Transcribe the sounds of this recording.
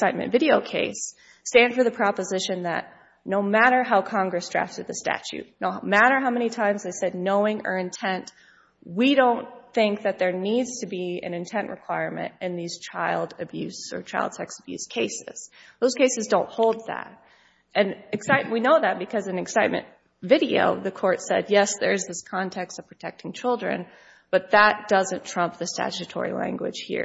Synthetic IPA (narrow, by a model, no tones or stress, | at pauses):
saɪt̚mɨ̰̃ntvɪɾioʊkʰeɪs | tæ̃nd̥fə˞ðɨpʰɹ̥ɑpəzɪʃɨ̃nðɨ̰t̚ | noʊmæɾə˞ɦaʊkʰɑ̃ŋɡɹɨsdɹæ̰ftɨd̪̚ðɨstæ̰t͡ʃʉ̰t̚ⁿnoʊmæɾə˞ɦaʊmɛnitʰãɪ̃mzðeɪsɛdⁿnoʊɪ̃ŋə̰˞ɨ̃ntʰɛ̃nt | wiɾõʊ̃nθɪ̃ŋk̚ðɨt̪̚ðə˞nidz̥tʰɨbiɨ̰̃nɨ̃ntʰɛ̃nʔɹɨkʰw̥aɪɹmɨ̰̃ntɨ̃nðiz̥t͡ʃʰaɪlˠdɨbjʉsə̰˞t͡ʃʰaɪlˠd̥sɛksəb̥jʉ̰skʰeɪsɪz̥ðoʊz̥kʰeɪsɨzdõʊ̃nthoʊlˠd̪̚ðæ̰ɾ̚ | ʔɨ̃nɨksaɪtwinoʊðɨt̚b̥ɨkʰʌzɨ̃nɨksaɪt̚mɨ̰̃n | vɪɾio̰ʊðɨkʰɔɹtsɛ̰d̚jɛsðə̰˞ɨzðɪskʰɑ̃ntʰɛkstʌv̥pʰɹ̥ɨtʰɛk̚tɪ̃ŋt͡ʃʰɪlˠdɹɨ̰̃n | b̥ʌt̪̚ðət̚d̥ʌzɨ̃ntʰɹ̥ʌ̃mp̚ðɨstæ̰t͡ʃɨtʰɔ̰ɹḭlæ̰̃ŋɡwɨ̰d̥ʒ̥hḭɹ